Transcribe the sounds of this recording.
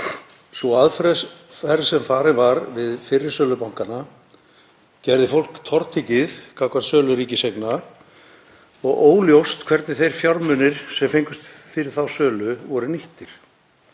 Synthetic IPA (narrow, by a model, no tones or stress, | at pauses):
sɔaðfɾɛfɛɾsɛmfaːɾɪnvaɾvɪðfɪrːɪɾ̥sœːlʏpawŋ̥kana | cɛɾðɪfowl̥kt̪ʰɔɾt̪ʰɪcɪðkʰaːwkvaɾsœːlʏɾiːcɪsekna | ɔɣoːwljowst̪kʰvɛɾt̪nɪθejɾ̥fjawɾmʏnɪɾ̥sɛmfejŋkʏst̪fɪɾɪɾ̥θawsœːlʏvɔɾʏniht̪ɪɾ̥